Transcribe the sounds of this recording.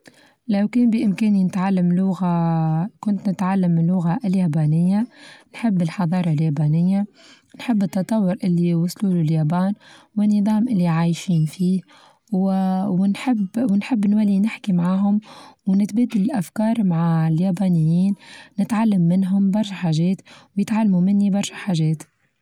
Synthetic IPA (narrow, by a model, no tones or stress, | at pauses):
lawkɛːnbiʔɪmkɛːninɪt̪ʕalːamlʊɣakʊnt̪nɪt̪ʕalːamːɪnlːʊɣaʔljaːbaːnɪjːanħɪbːɪlħɑðˤɑːɾˤɑljaːbaːnɪjːa | nħɪbːɨt̪ːɑt̪ˤɑwːʊɾʔɪlːiwʊsˤluːluljaːbaːn | wɪnːɨðˤɑːmʔɪlːiʕaːjʃiːnfiː | wwnħɪbwɪnħɪbːnwælːinɪħkimaʕaːɦʊmwnɪt̪bæːd̪ɪlɪlʔafkɑːɾˤmaʕaljæːbaːnɪjːiːnːɪt̪ʕalːamːɪnɦʊmbɑɾˤʃaħaːʒɛːt̪wjɪt̪ʕalːmumɪnːibɑɾˤʃaħaːʒɛːt̪